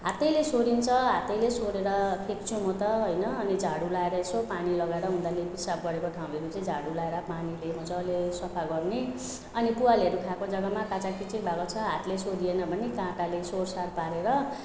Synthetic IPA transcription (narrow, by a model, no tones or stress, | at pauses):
ɦat̪ʌjlesoɾint͡sʰʌɦat̪ʌjlesoɾeɾʌpʰek̚t͡sʰũmʌt̪ʌɦojnʌːnid͡zʱaɽulaeɾʌesopanilʌɡaeɾʌɦũnd̪alepisab̚ɡʌɾekoʈʰaw̃eɾut͡sʌĩd͡zʱaɽulaeɾʌpanileɦũnt͡sʰʌːlesʌpʰaɡʌrne | ʌnipuwalʌɾukʰakod͡zʌɡamakãt͡sakit͡siĩbʱaɡʌt͡sʰʌɦat̪lesoɾienʌbʱʌnikãʈalesorsarpaɾeɾʌ